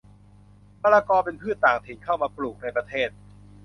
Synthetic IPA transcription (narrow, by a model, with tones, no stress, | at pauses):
paː˧ɾaː˧kɔː˧pe˧npʰɯ˥˩t̪ːaː˨˩ŋt̪ʰi˩˦ŋkʰa˥˩wmaː˧pluː˨˩k̚na˧jpɾa˧t̪ʰeː˥˩t̪̚